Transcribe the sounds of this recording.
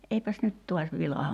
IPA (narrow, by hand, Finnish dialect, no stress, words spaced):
eipæs nyt tuɑs ʋilɑhɑm